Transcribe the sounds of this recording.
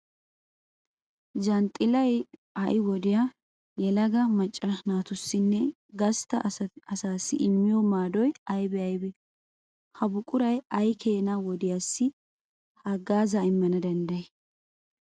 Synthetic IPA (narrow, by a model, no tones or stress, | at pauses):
d͡ʒɐnt̪ʼɪlɐjɐʔɪwɔd̪ɪja | jɛlɐɡɐmɐt͡ʃʼːɐnaːt̪ʊsːɪnːɛ | ɡɐst̪ɐɐsaːsːɪ̰ʔɪmːɪjɔmaːd̪ɔjɐjbɛɐjbɛ | hɐbʊkʼːʊɾɐjɐjkʰe̞ːnawɔd̪ɪjaːsːɪ | hɐɡaːzaːɪmːɐnɐd̪ɐnd̪ɐjɛ